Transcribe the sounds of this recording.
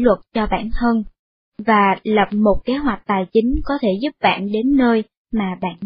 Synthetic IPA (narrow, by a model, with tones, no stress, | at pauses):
lwə˨˩t̚t͡ɕɔ˧ɓa̰ː˧˨nhəː˧n | vaː˨˩lə˨˩p̚mo˨˩t̚ke˨˦ɦwa˨˩jk̟̚t̪aː˨˩jt͡ɕï˨˦ŋ̟kɔ˨˦t̪ʰe˧˩zʊ˦˥p̚ɓa̰ː˧˨nɗe˨˦nːəː˧j | maː˨˩ɓa̰ː˧˨n